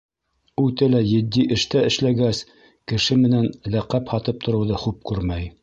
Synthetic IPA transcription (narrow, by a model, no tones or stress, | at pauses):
ʉt̪ælæjɘ̆d̪ːiʔɘ̆ʃt̪æɘ̆ʃlæɡæs | kɘ̆ʃɘmɘ̆nænlæqæphɑt̪ɤp̚t̪ʰŏɾɤ̆wðɤχup̚kʉɾmæj